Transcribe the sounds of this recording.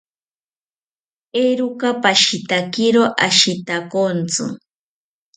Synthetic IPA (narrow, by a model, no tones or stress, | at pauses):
eɾukapaʃit̪akɪɾoʔaʃit̪akont͡sɨ̰